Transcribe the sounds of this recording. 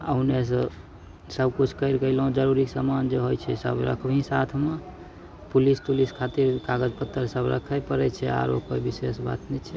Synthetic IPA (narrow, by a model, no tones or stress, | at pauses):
əɦunes̬ə | səb̚kut͡ʃʰkəɪɾkəilɦũd͡ʒəɾuɾiksəmand͡ʒeɦojt͡ʃʰɛ̰sə̰bɾə̰kʰbʱĩsat̪ʰme | pulispuliskʰat̪iɾkaɡəd͡ʒpət̪ːəɾsəbɾə̰kʰəjpəɾɛt͡ʃʰɛa̰ɾopəbisesba̰t̪nɛt͡ʃʰɛ